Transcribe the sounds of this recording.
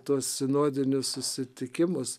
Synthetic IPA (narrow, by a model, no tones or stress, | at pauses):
t̪uɔssʲɪnoːd̪ʲɪnʲʊssʊsʲɪt̪ʲɪkʲɪmʊs